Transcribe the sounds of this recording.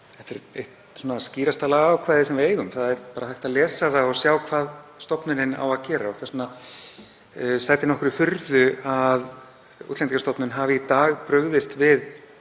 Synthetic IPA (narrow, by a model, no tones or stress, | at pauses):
θɛht̪ɛɾḛjht̪ | suːnasciːɾast̪alaɣːwkʰvaːjðɪsɛmvɪeːjɣʏmθaðɛɾpaːɾahajht̪aðlɛːsaθaɔsjaːwkʰvaːðst̪ɔpnʏɾɪna̰waðcɛːɾaɔθasna | sajt̪ɪnɔhkʏɾʏθʏɾðʏað | ṵt̪lɛnikast̪ɔpnʏnɦaːvɪit̪aːɣpɾœɣðɪst̪vɪð